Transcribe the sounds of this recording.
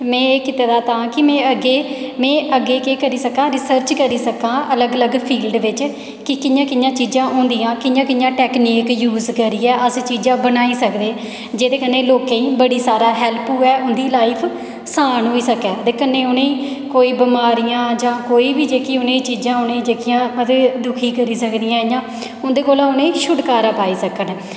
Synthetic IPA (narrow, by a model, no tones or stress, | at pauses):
mɛ̃ːeːkɪt̪eːd̪aːt̪ãːkɪmɛ̃ːəɡeːmɛ̃ːʔəɡːeːkeːkəɾiːsəkãːɾɪsəɾt͡ʃkəɾiːsəkãːʔələɡələɡpʰiːlɖʋɪt͡ʃ | kɪkɪnjãːkɪnjãːt͡ʃiːzãːʔõːnd̪ijãːkɪnjãːkɪnjãːʈɛːkniːkjuːzkəɾiːɛːʔəst͡ʃiːd͡ʒãːbənaːiːsəkd̪eː | d͡ʒeːd̪eːkənːẽːloːkẽːĩːbəɽiːsaːɾaːɦɛːlpuːɛːʔʊnd̪iːlaːɪpʰ | saːnɦoːiːsəkɛːd̪eːkənːeːʊnẽːiː | koːiːbəmaːɾijãːd͡ʒãːkoːiːbiːd͡ʒeːkiːʊnẽːit͡ʃiːzãːʊnẽːd͡ʒeːkɪjãːmət̪eːd̪ʊkʰiːkəɾiːsəkd̪ijãːjãː | ʊnd̪eːkoːlãːʊnẽːʃʊɖkaːɾaːpaːiːsəkən